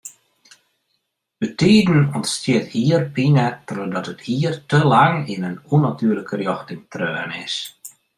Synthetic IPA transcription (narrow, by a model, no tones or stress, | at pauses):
bətiːdn̩ɔntstjɪəthiərpinətrodɔtəthiːrtəlaŋinənunatʰyːərləkərjɔxtɪŋtrøːnɪs